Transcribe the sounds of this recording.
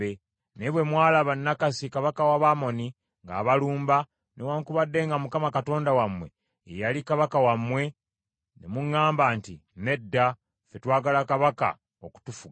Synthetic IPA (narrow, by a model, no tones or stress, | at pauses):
e | neβwe̞mwaːlaβanːakasikaβakawaβamo̞ni | ŋɡa̰ːβaluːmba | newaːŋkuβadːe̞ŋɡamukamakato̞ːndawamwe̞̰ː | jalikaβakawamːwe̞ | nḛmuŋːaːmbaːntine̞dːa | fe̞twaːɡalakaβaka̰ | oku̥tufuɡ